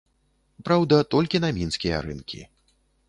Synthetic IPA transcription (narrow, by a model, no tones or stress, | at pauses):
pɾawd̪ɐt̪ɔlʲkʲinɐmʲinskʲijɐ̰ɾɨ̰nkʲḭ